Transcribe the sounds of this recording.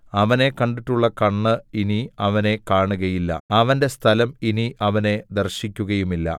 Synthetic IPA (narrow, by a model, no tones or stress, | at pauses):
ɐʋɐne̞kɐɳɖiʈːuɭːɐkɐɳːɨiniɐʋɐne̞kaːɳuɣɐjilːɐ̰ɐʋɐnde̞st̪ʰɐlɐminiʔɐʋɐne̞d̪ɐrɕikʲːuɣɐjumilːɐ̰